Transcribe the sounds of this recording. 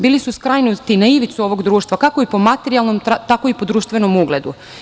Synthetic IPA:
biːlisuskɾajnut̪inaiʋit̪suo̞ʋo̞ɡd̪ɾuːʃt̪ʋakako̞ipo̞mat̪eɾialˠnomt̪ako̞ipo̞d̪ɾuːʃt̪ʋe̞nomuɡled̪ṵ

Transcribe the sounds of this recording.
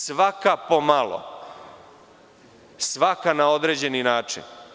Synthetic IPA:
sʋakapomalo̰ | sʋakanao̞d̪ɾe̞ːd͡ʑe̞ninaːt͡ʃḭn

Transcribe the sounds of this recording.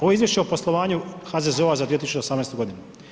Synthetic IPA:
oizʋje̞ʃt͡ɕeopo̞slˠo̞ʋaːɲuxazezoazad̪iet̪isut͡ʃeosamnɛst̪oɡo̞d̪inu

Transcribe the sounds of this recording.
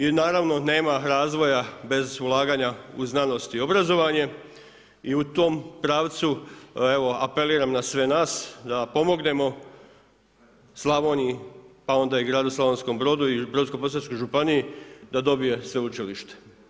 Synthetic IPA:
inaːɾaʋno̞ne̞ːmaɾaːzʋo̞jabe̞zulˠaːɡaɲauznano̞st̪io̞bɾazo̞ʋaɲe̞ | iut̪o̞ːmpɾaːʋt̪sue̞ʋo̞ape̞liːɾamnasʋe̞naːsd̪apo̞mo̞ɡne̞mo̞ | slˠaʋo̞niipao̞nd̪aiɡɾad̪uslˠaʋonsko̞mbɾo̞d̪uibɾod̪skopo̞saskojʒupanijid̪ad̪o̞bije̞sʋe̞ut͡ʃiliʃt̪e̥

